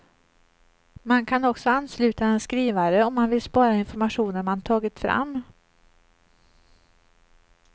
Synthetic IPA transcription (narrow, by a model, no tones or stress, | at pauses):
mankʰanɔksɔanːslʉ̟ːt̪aɛnskɾiːvaɾəɔmːanvɪlspɑːɾaɪnfɔɾmaɧuːnəɾmant̪ʰɑːɡɪt̪fɾa̰mː